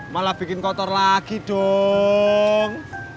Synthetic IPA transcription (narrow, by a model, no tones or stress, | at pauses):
malahb̥ikɪnkɔt̪ɔrlakiɖ̥ɔ | ŋ